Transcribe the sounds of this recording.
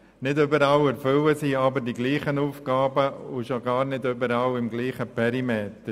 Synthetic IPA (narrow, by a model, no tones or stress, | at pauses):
nɪdʏbəɾɑwɛɾfʏwəsiːɑbəɾdiɡliːχənuːfɡ̥ɑːbəʊʃoɡɑːɾnɪdʏbəɾɑwɪmɡliːχəpɛɾimeːt̪ə